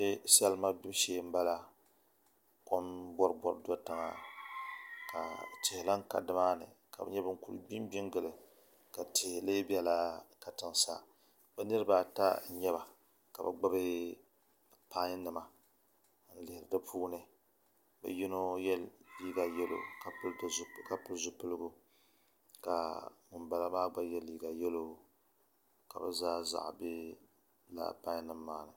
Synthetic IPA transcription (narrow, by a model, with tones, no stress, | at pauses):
ɛ˦sɛ˦lma˦bɪ˦bʃeː˦m̩˦ba˦la˦ | ko˦mbɔ˦ɾbɔ˦ɾdɔ˦tɨ˨ŋa̰˨ | ka̰˨tɪ˨hɪ˨la˦ŋ˦ka̰˨dɨ˦maː˦nɨ̰˨ka˨bɛ̰˦ɲɛ˦bɨ˦ŋ̩˦ku˨˦ɨ̰˨bi˦mbi˦ŋɡɨ˨lɨ˨ | ka˨tɪ˨hle˦bi˦ɛ˦la˦ka˨tɨ˨ŋ˨sa˦ | bɛ˦nɨ˦ɾɨ˦ba˦ta̰˦˨ɲɛ˦βa˨ | ka˨bɨ̰˨ɡ͡ba˦bɨ˦ | pa˦ɲ˦nɨ˨ma˨ | n̩˦lɪ˨hɪ˨ɾɨ˨dɨ˦pʰuː˦nɨ˨ | bɛ̰˨ji˦no˦jɛ˦lliː˦ɡa˨jɛ˦lʔo̰˨ka˨pɨ˦dka˨pɨ˦lzʊ˦pɨ˦lɨ˦ɡu˦ | ka̰˨mɨ˨mba˨la˦maː˦ɡ͡ba˦jɛ˦lːiː˦ɡa˨jɛ˦lo˦ | ka˨bɛ̰˦zaː˦za̰˨ʔbɪ˦ | la̰˦pa˦ɲ˦nɨ˨mːaː˦nɨ˨